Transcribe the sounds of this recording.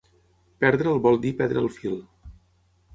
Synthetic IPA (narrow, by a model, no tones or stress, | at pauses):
pɛɾðɾəːlˠβɔlˠd̪ipɛɾðɾəːlˠfilˠ